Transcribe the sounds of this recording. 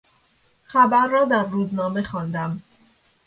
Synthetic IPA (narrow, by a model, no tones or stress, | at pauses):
xæbæɾːɒːd̪æɾːuːznɒːme̞xɒːnd̪æm